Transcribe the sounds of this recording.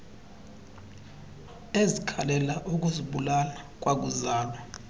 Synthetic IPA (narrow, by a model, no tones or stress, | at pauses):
ezikʰalɛlaʔuk̬ʼuziɓulanak̬ʼwak̬uzaːla